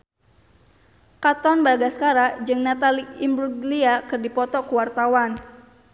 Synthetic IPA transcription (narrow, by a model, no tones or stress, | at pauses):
kat̪ɔnbaɡaskaɾad͡ʒɨŋnat̪aliimbɾuɡliakɨrdipɔt̪ɔkuwart̪awan